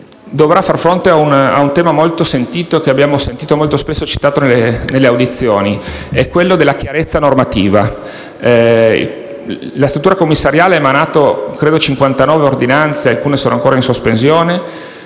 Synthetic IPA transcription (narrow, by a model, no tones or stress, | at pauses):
d̪ovɾafarfɾont̪eauna̰unt̪ɛːmamolt̪osent̪iːt̪oek̟eabjaːmosent̪iːt̪omolt̪ospesːot͡ʃi̥t̪aːt̪onelːenelːeawd̪it̪sːjoːniɛkːwelːod̪elːakjaɾet̪sːanormat̪iːva̰ | ḭ | last̪ɾut̪ːuɾakomːisːaɾjaːleɛmanaːt̪okɾeːd̪ot͡ʃiŋkwant̪anɔːveord̪inant̪sealkuːnesoːnoaŋkoːɾainsospens̬joːne